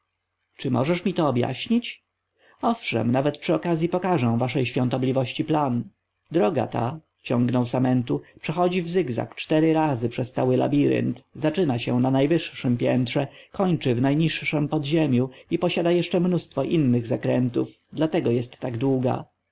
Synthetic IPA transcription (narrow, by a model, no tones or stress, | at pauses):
t͡ʂɘmɔ̰ʐɛʂmʲit̪ɔːbʲja̰ɕɲit͡ɕ | ɔfʂɛ̰mnavɛt̪̚pʂɘɔkazʲjipɔkaʐɛ̃w̃vaʂɛjɕfʲjɔ̃nt̪ɔblʲivɔɕt͡ɕiplan | d̪ɾɔɡa̰t̪a̰ | t͡ɕɔ̃ŋɡnɔwsamɛnt̪upʂɛxɔd͡ʑivzɘɡza̰kt͡ʂt̪ɛɾɘɾazɘpʂɛst̪sawɘla̰bʲiɾɘ̰nt̪zat͡ʂɘnaɕɛnanajvɘʂʂɘmpʲjɛnt̪ʂɛkɔɲt͡ʂɘvnajɲiʂːɛmpɔd̪ʑemʲjuipɔɕad̪ajɛʂt͡ʂɛmnust̪fɔʔinːɘɣzakɾɛnt̪uv | d̪lat̪ɛɡɔjɛst̪ːaɡd̪wuɡa̰